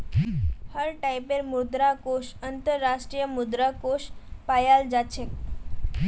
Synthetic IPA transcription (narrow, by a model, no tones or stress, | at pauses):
həɾʈajpeɾmud̪ɾakoʂənt̪əɾːaʂʈɾijəmud̪ɾakoʂpajald͡zatt͡ɕʰek